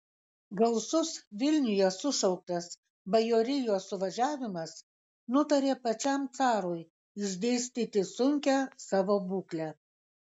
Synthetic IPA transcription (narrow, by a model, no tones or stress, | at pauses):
ɡɐlˠsʊsʋʲɪlʲnʲʊjɛsʊʃɒʊk̚t̪ɐs | bɐjoːɾʲɪjoːsʊʋɐʒʲæːʋʲɪmɐs | nʊt̪ɐɾʲeːpɐt͡ʃʲɛmt̪sɑːɾoːj | ɪʒʲd̪ʲeːsʲt̪ʲiːt̪ʲɪsʊŋʲkʲæsɑːʋoːbuːklʲæ